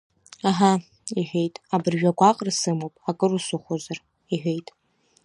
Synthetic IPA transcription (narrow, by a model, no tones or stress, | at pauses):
aɦa | iħʷᶣe̞jtʼabɨrʒᶣaɡʷaqʼrsɨmowpʼakʼɨrusuχʷozar | iħʷᶣe̞jtʼ